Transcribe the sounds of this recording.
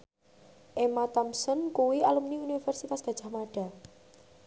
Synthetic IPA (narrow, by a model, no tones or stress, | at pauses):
ʔemat̪ɔmsɔnkuwialumniunifɛrsit̪asb̥a̤̥ʒ̥a̤hmaɖ̥a̤